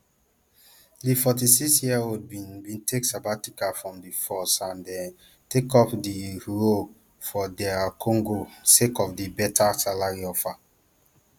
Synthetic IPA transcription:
difɔt̬isiksjiaod̚bĩnbĩntʰeksabatikafɹɔ̃mdifɔsãndɛ̃n | tekɔpdiɹo | fɔdɛkʰɔ̃ŋɡosekɔfdibɛtʰasalaɹiɔfa

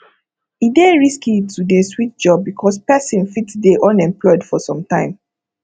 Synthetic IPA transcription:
ideɹiskitʰudeswit̚d͡ʒɔb̚ːikʰɔspɛsĩnfitdeʔɔ̃nɛ̃mplɔɪdfɔsɔ̃mtãɪ̃m

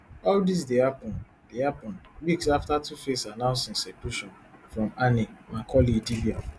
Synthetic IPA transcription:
ɔldis̬dehapɔ̃n | dehapɔ̃ndwiksaftatʰufesanãʊ̃nsĩnsekuʃɔ̃n | fɹɔ̃manimãkʰɔlidibia

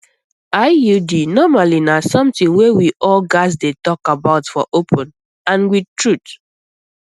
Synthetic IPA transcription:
aɪjudinɔmalinasɔ̃mtĩŋwewiʔɔlɡaɪzdetɔkabaʊtfɔ̰ʔopʰə̃n | ãnwid̚tɹut

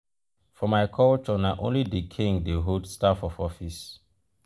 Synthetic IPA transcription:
fɔmajkʰɔlt͡ʃɔnaʔõ̰nlidikʰĩŋdeɦodstafɔfɔfis

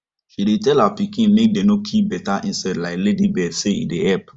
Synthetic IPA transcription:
ʃidetɛlhapikĩnmek̚denokʰip̚bɛtaʔĩnsadlaɪkledibɛdseḭdeɛp

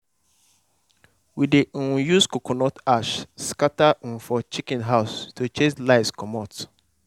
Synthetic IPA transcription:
wideũjuskokɔnɔtaʃskatan̩fɔt͡ʃikɛ̃nɦaʊstot͡ʃẽd͡ʒlaɪskɔmɔt

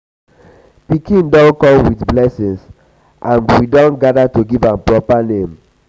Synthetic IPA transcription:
pikĩndɔ̃nkɔ̃mwitblɛsĩŋs | ʔãnwidɔ̃nɡadatoɡivãmpɹɔpanẽm

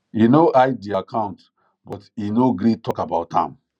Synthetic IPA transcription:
inoʔajdiakʰãʊ̃nt | bɔtinoɡɾitʰɔkabaʊthã̰m

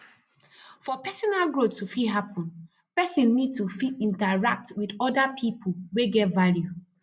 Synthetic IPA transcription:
fɔpɛsɔnalɡɹottːufiɦapʰɔ̃n | pɛsĩnːid̚tufitĩntaɹak̚twidɔdapʰipʰoweɡɛtvalju

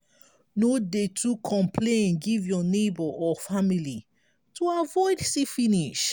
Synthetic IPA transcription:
nodetʰukʰɔ̃mpʰlẽnɡivjɔnebɔʔɔfamili | tʰuavɔɪdsifiniʃ

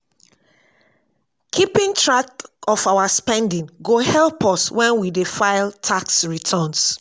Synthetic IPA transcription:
kʰipĩŋtɹakɔfawaspɛ̃ndĩŋɡohɛlpɔswɛ̃nwidefaɪltʰaksɹitʰɔ̃ns

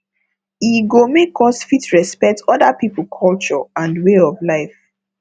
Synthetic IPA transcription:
iɡomekʰɔsfitɹɛspɛk̚tɔdapipəl̩ˠkʰɔlt͡ʃɔãndweɔvlaɪf

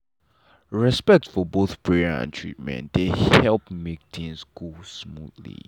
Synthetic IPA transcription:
ɹɛspɛk̚tfɔboθpʰɹɛəã̰ntʰɹḭt̚mɛ̰̃ntdehhɛlˠp̚mek̚tʰĩnskulsmṵdlḭ

